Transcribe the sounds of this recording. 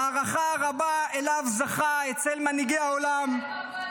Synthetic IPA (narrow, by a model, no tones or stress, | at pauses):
aʁaχaʁabae̞lavzaχaet͡se̞lmaniɡe̞jao̞lam